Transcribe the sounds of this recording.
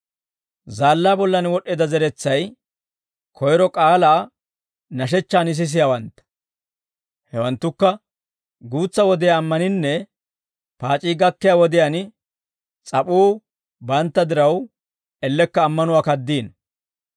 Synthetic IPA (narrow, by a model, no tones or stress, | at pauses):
zaːlːaːbɔlːɐnwɔɗːɛːd̪ɐzɛɾɛt͡sːɐj | kʰɔjɾɔkʼaːlaː | nɐʃ̬ɛt͡ʃːaːnɪs̬ɪs̬ɪjawɐnt̪ːɐ̥ | hɛwɐnt̪ːʊkːɐ | ɡuːt͡sːɐwɔd̪ɪjaːmːɐnɪnːɛ | paːt͡ʃʼiːɡɐkːɪjaːwɔd̪ɪjan | t͡sʼɐpʼuː | bɐnt̪ːɐd̪ɪɾɐw | ɛlːɛkːɐːmːɐnʊwaːkɐd̪ːiːn